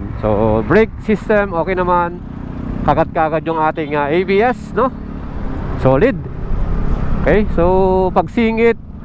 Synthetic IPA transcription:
mso̰bɹɛk̚sist̪ɛmʔoːkɛjnɐman | kɐɡat̪̚kaɐɡad̪̚jʊŋaːt̪ɪŋaʔebiːʔɛsno | soːlɪd̪̚ | ʔokɛjsopɐɡsiːŋɪt̪̚

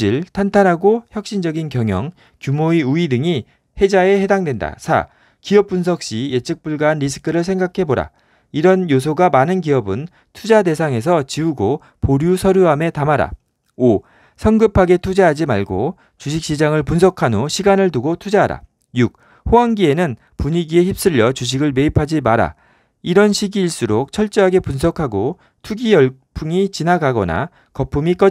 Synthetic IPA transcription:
iɭtʰantʰanɦaɡoçjʌk̚ɕ͈ind͡ʑʌɡinkjʌŋjʌŋ | kjumoiuidɯŋi | he̞d͡ʑae̞he̞daŋdwe̞nda̰sʰa̰ | kiʌp̚p͈uns̬ʰʌk̚ɕ͈ije̞t͡ɕʰɯk̚p͈uɭɡaːnɾis̬ʰɯ̥kʰɯɾɯɭsʰe̞ŋɡakʰe̞boɾa̰ | iɾʌnjosʰoɡamanɯnk̬iʌbɯn | tʰud͡ʑade̞sʰaŋe̞s̬ʰʌt͡ɕiuɡo | poɾjusʰʌɾjuɦame̞tamaɾa̰ | o | sʰʌŋɡɯpʰaɡe̞tʰud͡ʑaɦad͡ʑimaɭɡo | t͡ɕuɕ̬ʰik̚ɕ͈id͡ʑaŋɯɭpunsʰʌkʰanoɕʰiɡanɯɭtuɡotʰud͡ʑaɦaɾa̰ | juk̚ | hoanɡie̞nɯn | puɲiɡie̞çip̚s͈ɯʎːʌt͡ɕuɕ̬ʰiɡɯɭme̞ipʰad͡ʑimaɾa̰ | iɾʌnɕʰiɡiːɭs͈uɾok̚t͡ɕʰʌɭt͡ɕ͈ʌɦaɡe̞punsʰʌkʰaɡo | tʰuɡijʌɭpʰuŋit͡ɕinaɡaɡʌ̰na̰ | kʌpʰumik͈ʌ

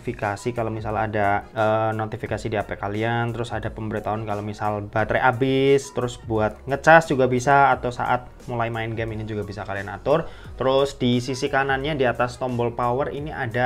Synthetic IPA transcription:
fikasikalomisala̰daəːnot̪ifikasidiapɛkaliant̪əɾʊsadapəmbəɾit̪aɦʊnkalomisalb̥at̪ɾeʔabɪst̪əɾʊsbuat̪̚ŋət͡ʃasd͡ʒuɡabisaːt̪awsa̰ʔat̪̚mulajmaɪnɡɛminid͡ʒuɡabisakalianat̪ʊrt̪əɾʊsd̥isisikananɲadiat̪ast̪ɔmbɔlpawəriniada

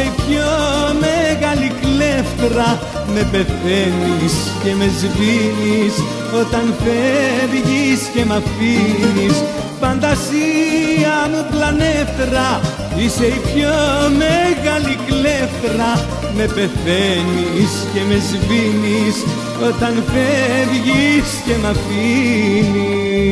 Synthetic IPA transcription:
ipçomeɣɐlikleftɾɐ | me̞pe̞θe̞nis | ce̞me̞zvinis | o̞t̪ɐnθeɾʝisce̞mɐfinis | fɐnd̪ɐsiɐmuplɐneθɾɐ | ise̞ipçomeɣɐlikleftɾɐ | me̞pe̞θenisce̞me̞zvinis | o̞t̪ɐnfeðʝisce̞mɐfini

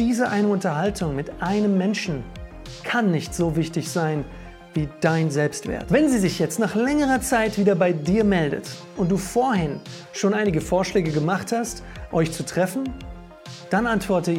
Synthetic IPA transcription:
d̥iːzəʔaɪnəʊntɐɦaltʰʊŋmɪtʔaɪnəmːɛnʃn̩ | kʰanːɪçtz̥oːvɪçtɪçz̥aɪn | viːd̥aɪnzɛlpstv̥ḛːɐtv̥ɛnziːzɪçjɛt͡stnaːχlɛŋəʁ̞ɐt͡saɪtv̥iːdɐbaɪdiːɐmɛldə̰tʔʊnt̚d̥uːfoːɐɦɪn | ʃoːnʔaɪnɪɡəfoːɐʃlɛːɡəɡəmaχthastʔɔʏçt͡sutʁ̥ɛfn̩ | d̥anʔantv̥ɔɐtə

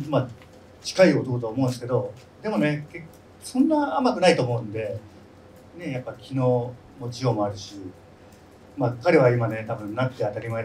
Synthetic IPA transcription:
ma | t͡ɕi̥kaiot̪o̞ɯt̪oaomo̞ɯ̃nsɨ̥ke̞d̪o̞ | d̪e̞mo̞ne̞ke | sõ̞nːaamakɯ̟nait̪oːmo̞ɯ̟̃nd̪e̞ | ne̞japːakʲino̞ː | mod͡ʑijo̞ːmo̞aɾɯ̟ɕi | makaɾʲe̞β̞aimane̞t̪abɯ̟̃nnakt̪ːeat̪aɾʲimae

